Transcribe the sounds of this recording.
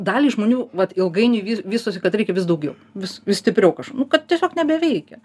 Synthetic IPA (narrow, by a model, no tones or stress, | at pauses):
d̪ɑːlʲiːʒmoːnʲuːʋɐt̪ɪlˠɡɐɪnʲɪʋʲiːʋʲiːst̪oːsʲɪkɐt̪ɾʲɛɪkʲɛʋʲɪs̬d̪ɐʊɡʲɛʊʋʲɪsʋʲɪʃsʲt̪ʲɪpʲɾʲɛʊkɐʃknʊkɐt̪̚t̪ʲiɛsʲoːknʲɛbʲɛʋʲɛɪkʲɛ